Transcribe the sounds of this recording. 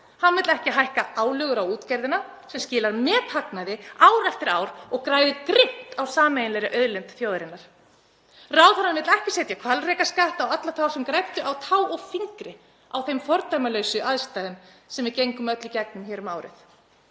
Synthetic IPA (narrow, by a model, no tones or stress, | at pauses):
hanmɪt̪lɛhcɪɦajhkaaːwlœːɣʏɾawuːt̪cɛɾðɪna | sɛmscɪːlaɾmɛːt̪ʰaknaðɪaːwɾɛft̪ɪɾa̰ːwɾɔɣkɾaːjðʏkɾɪht̪awsaːmejɪnɛɾɪʔœðlɛmt̪θjoːðɾɪnːaɾ̥ | raːwθanaɾmɪt̪lɛhcɪsejt̪jakʰvalrɛːkaskaht̪awat̪lat̪ʰaːwsɛmkɾajt̪ʏʔawt̪ʰaːwɔɣfiŋkɾɪ | awθejmfɔɾt̪ajmalœɥsʏʔaðst̪aːjðʏm | sɛmvɪɾcejŋkʏmœt̪lʏcɛk̚nʏmçɛːɾʏmaːwɾɪ̰θ